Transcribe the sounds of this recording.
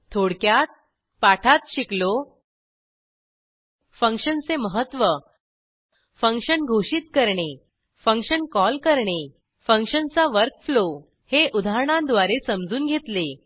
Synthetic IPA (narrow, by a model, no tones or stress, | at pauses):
t̪ʰoɽkjat̪̚ | paʈʰat̪ɕiklo | fəŋkʂənt͡seməɦət̪ːʋə | fə̃ŋkʂənɡʱoɕit̪kəɾɳe | fəŋɕənkɔlkəɾɳe | fəŋkɕənt͡saʋəɾkflo | heʔud̪ʱaəɳãnd̪ʋaɾesəmd͡zuːnɡʱet̪le